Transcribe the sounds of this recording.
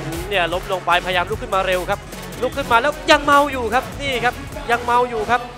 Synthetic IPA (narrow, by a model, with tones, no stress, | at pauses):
ʔni˥˩ɐlo˦˥m̚lu˧əŋpa˧jpʰa˧ja˧jaː˧mlu˦˥kʰːɯ˥˩maː˧ɾe˧wkʰa˦˥p̚ | lu˦˥˩kʰːɯ˥˩nmaː˧lɛː˦˥wja˧ŋma˧wjuː˨˩kʰa˦˥p̚niː˥˩kʰa˦˥p̚ | ja˧ŋma˧wjuː˨˩kʰa˦˥p̚